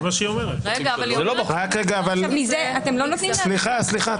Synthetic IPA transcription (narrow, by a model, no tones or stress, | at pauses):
maʃeiomeʁeʁeɡavalzelobaχʁakʁeɡaːvalmizeat̪emlonot̪nimssliχasliχa